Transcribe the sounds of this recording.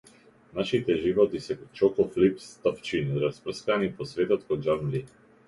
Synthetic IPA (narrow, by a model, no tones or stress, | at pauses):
naʃit̪ɛʒivɔt̪isɛt͡ʃɔkɔflipst̪aft͡ʃinɾaspɾ̩skanipɔsvɛt̪ɔt̪kod͡ʒamli